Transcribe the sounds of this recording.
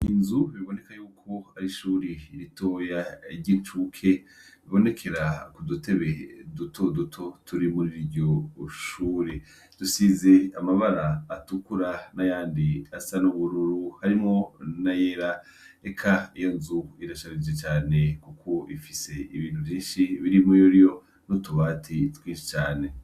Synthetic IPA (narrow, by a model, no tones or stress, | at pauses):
inzuβiβo̞ne̞kajuːkʰo̞aɾiʃuːɾiiɾito̞ːjaiɾɟint͡ʃukʰeβiβo̞ne̞kʰe̞ɾakudute̞βedutʰo̞dutʰo̞tʰuɾimuɾiɟoʃuːɾe | d̥usizeamaβaɾaːtukuɾanajaːndiasanuβuɾuɾuhaɾimŋo̞najeɾa | ekʰaijo̞nzuiɾaʃaɾid͡ʒet͡ʃaːne̞kukʰo̞ifise̞iβiːn̥uvjiːnʃiβiɾimojoɾijo̞ | notuβaːtʰitwiːnʃi̥t͡ʃaːne̞